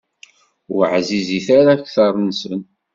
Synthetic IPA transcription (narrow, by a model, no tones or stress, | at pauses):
ʊɾʕziziθaɾaçθɑɾˤnsən